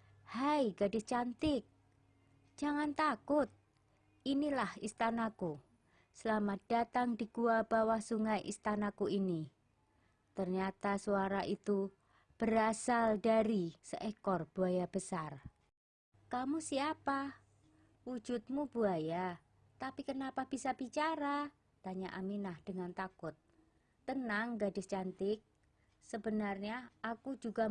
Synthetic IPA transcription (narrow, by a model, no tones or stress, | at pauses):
hajɡadɪst͡ʃant̪ɪk̚ | d͡ʒ̥aŋant̪akʊt̪̚ | inilahist̪anaku | səlamat̪̚d̥at̪aŋdiɡ̥uab̥awahsuŋajʔḭst̪anakuini | t̪ərɲat̪asuaɾaʔit̪u | b̥əɾasaldaɾisəʔekɔrb̥uajab̥əsar | kamusiapa | wu̥d͡ʒut̪̚mub̥uaja | t̪apikənapab̥isab̥it͡ʃaɾa | t̪aɲaʔaminahd̥əŋant̪akʊt̪ː | ənaŋɡadɪst͡ʃant̪ɪk̚ | səbənarɲaːkud͡ʒuɡa